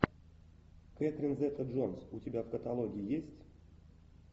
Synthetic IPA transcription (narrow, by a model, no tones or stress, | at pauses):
ket̪ɾʲinzɛt̪əʐonsutʲɪbʲavkət̪alˠoɡʲiijesʲtʲ